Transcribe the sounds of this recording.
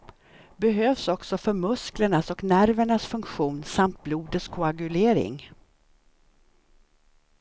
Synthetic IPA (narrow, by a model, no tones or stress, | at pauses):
bɛɦøːvsɔksɔfœɾmɵskləɳasɔknæɾvəɳasfɵŋkɧuːnsamt̪̚bluːd̪ət̪skʰʊaɡɵleːɾɪ̰ŋ